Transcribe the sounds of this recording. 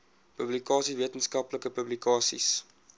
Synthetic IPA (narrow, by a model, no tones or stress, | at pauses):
pɵblikɑːsiviətənskɐpləkəpɵblikɑːsḭs